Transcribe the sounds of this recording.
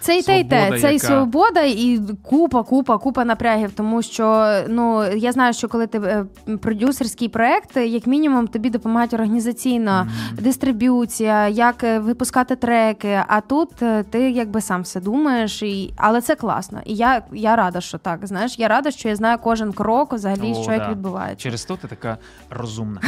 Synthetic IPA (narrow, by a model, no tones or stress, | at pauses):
t̪sɛit̪ɛit̪ɛsɛisɔbɔd̪ɐikupɐkupɐkupɐnɐpɾʲaɦʲiwt̪ɔmuʃt͡ʃɔnujazn̪ɑjʊʃt͡ʃɔkɔlˠɪt̪ɪ | pɾɔdʲuserʲsʲkʲijpɾɔɛkt̪jɐkmʲinʲimumt̪ɔbʲid̪ɔpɔmɐɦatʲɔrɦɐnʲizɐt͡sʲijnɐd̪ɪst̪ɾɪbʲut͡sʲijɐjɐkʋɪpʊskɑt̪ɪt̪ɾɛkɪʔɐt̪ut̪t̪ɪjɐɡ̚bɪsɑmʋsɛd̪umɐjeʃiɐ̰lˠɛt̪sɛklˠɑ̰snɔ̰ʔijajaɾɑd̪ɐʃt͡ʃɔt̪ɑkznɑjeʃjaɾɑd̪ɐʃt͡ʃɔjaznɑjʊkɔʒɪnkɾɔkʋzɐɦɐlʲiʃt͡ʃɔjɐkʋʲid̪̚bʊʋɑ̰jḛt͡s̪ʲːt͡ʃːɛɾɪst̪ɔt̪ɛt̪ɐka | rɔzumnɐ